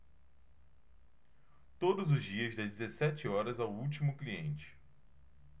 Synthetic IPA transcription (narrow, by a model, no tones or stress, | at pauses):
t̪od̪ʊzʊzd͡ʒiɐzd̪ɐzd͡ʒɪzesɛt͡ʃɪɔɾɐzawuwt͡ʃimʊkliẽnt͡ʃɪ̥